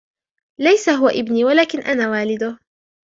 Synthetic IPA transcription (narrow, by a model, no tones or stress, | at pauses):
lajsaɦʊwaʔɪbniːwalaːkɪnʔanaːwaːlɪd̪ʊ